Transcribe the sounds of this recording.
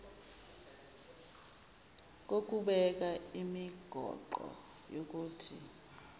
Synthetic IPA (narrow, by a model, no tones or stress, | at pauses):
k̬ok̬ʼuɓɛk̬aimiɡ̥ʱɔ̰ǃɔ̰ | jok̬uːtʰḭ